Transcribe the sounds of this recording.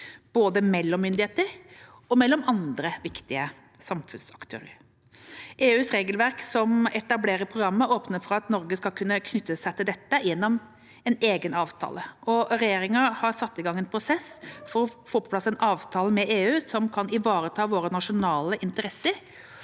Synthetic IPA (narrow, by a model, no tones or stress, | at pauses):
b̥oːd̪əmɛlːɔmːʏnd̪ɪheːt̪əɾ | ɔmɛlːɔmɑnd̪ɾəʋɪkt̪ɪə | sɑmfʉnsɑkt̪ʰø̰ːɾəɾ | ʔeːʉːsɾeːɡəlʋæɾksɔmɛt̪ɑbleːɾəɾpʰɾʊɡɾɑmːəoːpnəɾfɔɾɑt̪nɔɾɡəskɑlkʰʉnːəkʰnʏt̪ːəsæɪt̪ʰɪld̪ɛt̪ːəjɛnːɔm | ɛneːɡənɑːʋt̪ʰɑ̰ːləʔɔɾɛjeːɾɪŋəhɑɾsɑt̪ːɪɡɑŋɛnpʰɾʊsɛsfɔɾɔfoːpɔpʰlɑsɛnʔɑːʋt̪ʰɑːləmɛʔeːʉːsɔmkʰɑnɪʋɑːɾət̪ʰɑːʋoːɾənɑʂʊnɑːləʔɪnt̪əɾɛsːəɾ